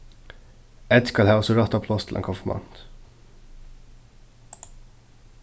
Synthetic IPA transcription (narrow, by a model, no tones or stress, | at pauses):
ɛt̪skɑlhɑːɔsɔɹɑt̪ɑpʰloːst̪ʰl̩ḛːŋkʰɔfəmʔɑ̰nt̪